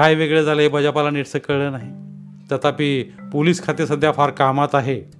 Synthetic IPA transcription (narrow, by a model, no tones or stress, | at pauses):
ajʋeɡɭed͡zaləɦebəd͡ʑapalaniʈsəkːəɭəːnaɦi | t̪ət̪ʰapiːpoliːskʰat̪iɾsəd̪ʱjafaɾkamat̪aɦe